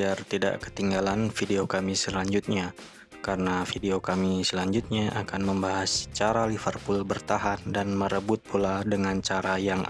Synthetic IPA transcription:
iart̪ida̰ʔkə̥t̪iŋɡalanfideokamisəlaɲd͡ʒʊt̪̚ɲa | kaɾənafideokamisəlaɲd͡ʒʊt̪̚ɲaʔakanməmbaɦast͡ʃaɾalifərpʊlbərt̪aɦandanməɾəbʊt̪̚pʰuladəŋant͡ʃaɾajaŋ

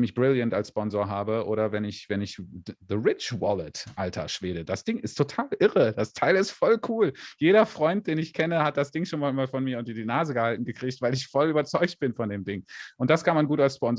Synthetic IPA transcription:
mɪçb̥ʁɪljəntalsʃpɔnzoːɐɦaːbəʔoːɾɐvɛnɪçv̥ɛnɪçðəʁɪt͡ʃvɔlətʔaltʰɐ̰ʃv̥eːdəd̥asd̥ɪŋɪstʰotʰaːlʔɪʁəd̥astʰaɪlɪstfɔlkʰuːljeːɾɐfʁ̥ɔʏnt̚d̥eːnɪçkʰɛnəhat̚d̥asd̥ɪŋʃoːnmaːmaːlfɔnmiːɐʊntdiːnaːzəɡəhaltn̩ɡəkʁ̥iːçtv̥aɪlɪçfɔlyːbɐt͡sɔʏçt̚b̥ɪnfɔndeːmdɪŋʔʊntd̥askʰanmanɡuːtalspɔnz

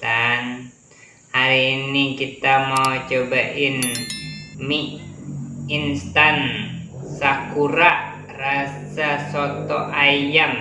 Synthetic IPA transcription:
t̪an | haɾiːnikit̪amawt͡ʃobaʔin | miʔ | inst̪an | sakuɾaʔ | rasasɔt̪ɔʔajaŋ

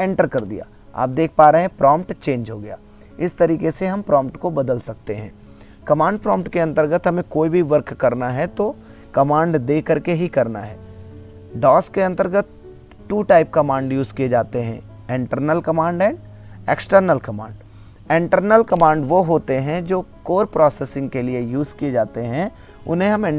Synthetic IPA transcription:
ẽːɳʈəɾkɐɾd̪ḭja̰ː | a̰ːp̚d̪eːk̚ʰpaːɾeɦɛ̃pɾʔɔːmpʈt͡ʃẽːɲd͡ʒɦoːɡɐja̰ː | ɪst̪ɐɾiːkeseɦɐ̃mpɾɔ̃ːmpʈkobɐd̪əlsɐk̚t̪eɦɛ̰̃ː | kɐmãːɳɖpɾɔːmpʈkeɐ̃nt̪əɾɡət̪ɦɐmẽkoːibʱiʋəɾkːɐɾnaɦɛt̪o | kɐmãːɳɖd̪eːkəɾkeɦikɐɾna̰ɦɛ̰ː | ɖɔːskeɐ̃nt̪əɾɡət̪̚ | ʈuːʈaːɪp̚kɐmãːɳɖjuːzkied͡ʒaːt̪eɦɛ̰̃ | ɪ̃ɳʈəɾnəlkɐmãːɳɖɛ̃ːɳɖ | eksʈəɾnəlkɐmã̰ːɳɖ | ɪ̃ɳʈəɾnəlkɐmãːɳɖʋoɦoːt̪eɦɛ̃d͡ʒoːkoːɾpɾɔːsɛsɪ̃ŋɡkeliejuːzkied͡ʒaːt̪eɦɛ̃ | ʊ̰nɦẽɦɐmɪ̃

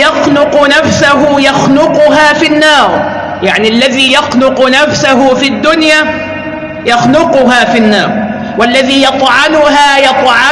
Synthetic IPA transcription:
jɑxnʊqnafsaɦʊjɑxnʊqʊɦaːfinːɑːɾˤ | jaʕniʔalːaðiːjɑxnʊqʊnafsaɦʊfid̪ːʊnjaː | jɑxnʊqʊɦaːfinːɑːɾˤ | walːaðiːjɑt̪ˤʕɑnʊɦaːjɑt̪ˤʕɑ

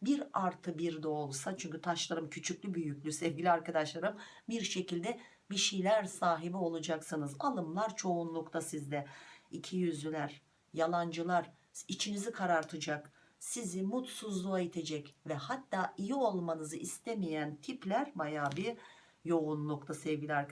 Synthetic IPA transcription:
biɾaɾt̪ʰɯbiɾd̪ɛolˠsat͡ʃʰyɲcyt̪ʰaʃlˠaɾɯmcʰyt͡ʃʰycʲlʲybyjycʲlʲysevɟilʲiaɾkad̪aʃlˠaɾɯm | biɾʃe̞cilʲd̪ɛ | biʃejlʲæɾsaːɦibio̞lˠud͡ʒaksɯnɯzalˠɯmlˠaɾt͡ʃʰo̞unlˠukt̪ʰasizd̪ɛicʰijyzylʲæɾ | jalˠand͡ʒɯlˠaɾ | it͡ʃʰinizikʰaɾaɾt̪ʰɯd͡ʒak | sizimut̪suzlˠuajit̪ʰed͡ʒɛcvɛhat̪ːaːijio̞lˠmanɯzɯʔist̪ʰemijænt̪ʰiplʲæɾbajaːbi | jo̞unlˠukt̪ʰasɛvɡɟilʲiaɾk

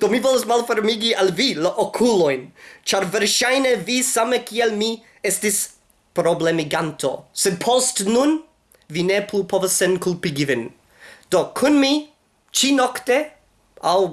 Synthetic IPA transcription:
d̥omivolosmalfeɾmiɡialvilaʔokʰulojnt͡ʃaɾveɾʃajnevisamekialmi | estis | pɾoblemiɡanto̞̰sed̚pʰostnun | vineplupʰovasːenkulpiɡivin | d̥okʰunmi | t͡ʃinokte | aw

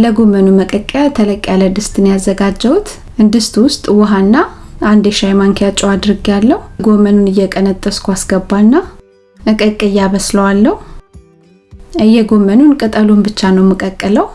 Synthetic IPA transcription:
ləɡomənuməkʼəkʼːjat̪ʰələkʼːjaləd̪ɨst̪ʼɨnjazːəɡad͡ʒːəwut̪ | ʔɨnd̪ɨst̪ʼwʊst̪ʼwɔɦanːa | ʔand̪eʃajmaŋkʰjat͡ʃʼːɛwad̪ɾɨɡjalːəhuɡo̞mənunɨjːɛkʼənət̪ʼːəskʰʷasɡ̥əbːanːa | əkʼəkʼːəjaβəsləwalːəhu | ɨjːɛɡo̞mənunkʼɨt̪ʼəlombɨt͡ʃːanəwmɨkʼəkʼːɨləw

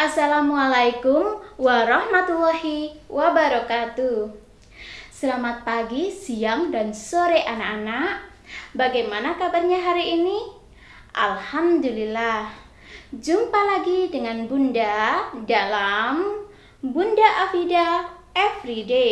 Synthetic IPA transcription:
ʔasalamualajkumwaɾɑhmat̪ulːɔhiwabaɾɔkat̪u | səlamat̪̚paɡisiaŋdansoɾeʔanaʔanaʔ | baɡajmanakabarɲaɦaɾiʔːni | ʔa̰lhamdulilah | d͡ʒumpalaɡidəŋanbundadalam | bundaʔafidaɛfɾide

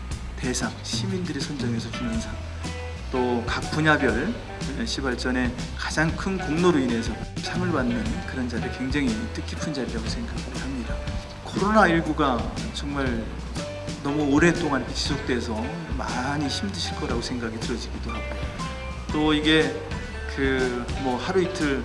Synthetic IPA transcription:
te̞sʰaŋɕʰimindɯɾisʰond͡ʑʌŋe̞s̬ʰʌt͡ɕumʌnsʰaŋ | t͈okak̚p͈uɲabjʌɭ | eɕʰibaɭt͡ɕ͈ʌne̞kḁd͡ʑaŋkʰɯnkoŋnoɾoine̞sʰʌpʰjaŋɯɭbanːɯnkɯɾʌnd͡ʑadɯɾikwe̞ŋd͡ʑaŋit͈ɯk͈ʰipʰund͡ʑaɾiɾaɡosʰe̞ŋɡakʰaɡɯhamɲida | kʰoɾonaiɭɡuɡat͡ɕʌŋmaɭ | nʌmuoɾe̞t͈oŋankʰet͡ɕisʰok̚t͈e̞sʰʌ | maɲiɕʰimdɯɕʰiɭk͈ʌɾaɡosʰeŋɡaɡidɯɾʌd͡ʑiɡido | t͈oiɡe̞ | kɯmʌhaɾuitʰɯɭ

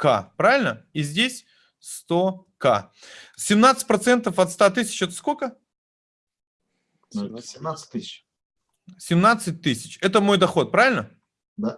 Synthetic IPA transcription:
ka̰pɾavɪlʲnəizʲdʲesʲ | st̪o | ka̰ | sʲɪmnat̪sɨ̥tʲpɾɐt̪sɛnt̪əfɐt̪st̪at̪ɨsʲɪ̥t͡ɕɛt̪ə̥skolʲkə | sʲɪmnat̪sɨ̥t̚ʲt̪ɨsʲɪt͡ʃ | sʲɪmnat̪sɨt̚ʲt̪ɨsʲɪ̥t͡ɕɛt̪əmo̞jd̪ɐxo̞t̪̚pɾavʲɪlʲnə | d̪a

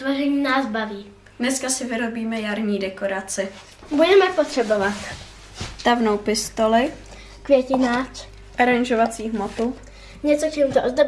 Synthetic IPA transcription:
t̪voʒɛɲiːnaːsbaviː | dnɛskasɪvɪɾo̞biːmɛjaɾɲiːdɛko̞ɾat͡sɪ | budɛmɛpot̪r̝̥ɛbovat̪ | t̪avnowpɪst̪olɪ | kvjɛcɪnaːt͡s | ʔaɾaɲʒovat͡siːɦmot̪u | ɲɛt͡sokt͡ʃɛmut̪oʔozd̪o

